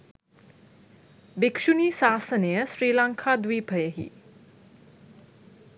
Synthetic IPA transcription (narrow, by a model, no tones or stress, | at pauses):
bikʂuniːsaːsənejəsɾiːlaŋkʰaːd̪ʋiːpʰəjəɦḭ